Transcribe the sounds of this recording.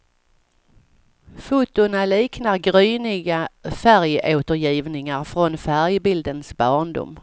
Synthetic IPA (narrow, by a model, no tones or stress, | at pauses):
fuːt̪ʊnaliːknaɾɡɾyːnɪɡafæɾjʔoːt̪əɾjiːvnɪŋaɾfɾɔnfæɾjbɪld̪ənsbɑːɳd̪ʊ̰m